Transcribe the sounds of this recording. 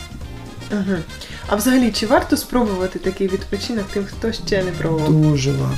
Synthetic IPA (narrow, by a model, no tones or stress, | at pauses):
ɦ̩ | ɐ̰ʋzɐɦɐlʲit͡ʃɪʋɑrt̪ɔspɾɔbʊʋɐt̪ɪt̪ɐkɪjʋʲid̪pɔt͡ʃinɔkt̪ɪxt̪ɔʃt͡ʃɛnɛpɾɐʋˠɔuʒɪlˠɐ̰